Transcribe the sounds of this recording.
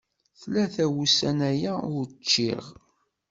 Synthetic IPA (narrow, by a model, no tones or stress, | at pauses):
θlæθæwusænæjæʊɾt͡ʃːɪ̰ʁ